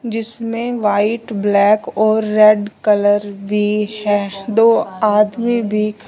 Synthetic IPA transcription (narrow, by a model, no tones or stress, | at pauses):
d͡ʒɪsmẽʋaːɪʈblɛːkɔːɾːɛːɖkɐləɾbʱihɛːd̪oːaːd̪mibʱik